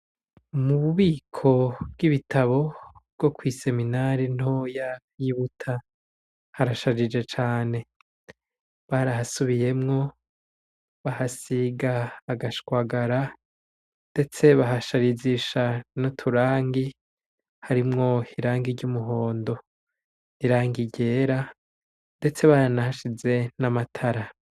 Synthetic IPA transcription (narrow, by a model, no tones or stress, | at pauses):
muβuβiːkʰo̞b̚ɡiβitaβo̞bɡ̥o̞kwiːse̞minaɾin̥ojakwiβutʰa | haɾaʃaɾid͡ʒe̞t͡ʃaːne̞ | βaɾahasuβije̞mŋo̞ | βahasiɡaːɡaʃkwaɡaɾa | nde̞t͡se̞βaɦaʃaɾiziʃanotʰuɾaːŋɡi | haɾimŋo̞hiɾaːŋɡiɾɟumuɦo̞ːndo̞ | iɾaːŋɡiɟe̞ːɾa | nde̞t͡se̞βaɾanahaʃize̞namatʰaɾa